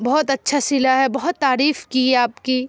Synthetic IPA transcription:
bɐɦɔt̪ɐtːʃʰasɪlaɦɛbɐɦʊt̪ːaːɾiːfkiɛaːpkiː

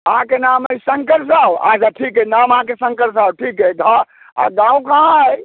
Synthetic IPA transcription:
əɦãkenaməisə̃ŋkəɾs̬awa̰d͡ʒaʈʰikɦɛnaməɦãkesə̃ŋkəɾsawʈʰiːkɦɛɡʱa | a̰ɡãːwkaɦãj

